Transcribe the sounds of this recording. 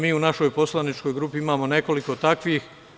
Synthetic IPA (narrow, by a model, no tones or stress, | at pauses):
miːunaʃo̞jpo̞slˠanit͡ʃko̞jɡɾuːpiimaːmo̞ne̞ko̞liko̞t̪akʋiːx